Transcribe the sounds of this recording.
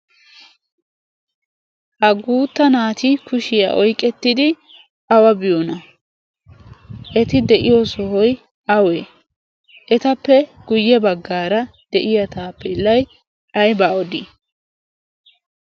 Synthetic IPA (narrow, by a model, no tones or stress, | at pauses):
hɐɡuːt̪ːɐnaːt̪ikʰʊʃɪja̰ʔɔjkʼːɛt̪ːɪd̪ɪ | ʔɐwɐbɪjonɐ | ʔɛt̪ɪd̪ɛʔɪjosɔhɔj | ɐweː | ʔɛt̪ɐpːɛɡ̥ʊjːɛbɐɡːaːɾɐ | d̪̥ɛʔɪjɐt̪aːpːɛɪlːɐj | ʔɐjbaːɔd̪i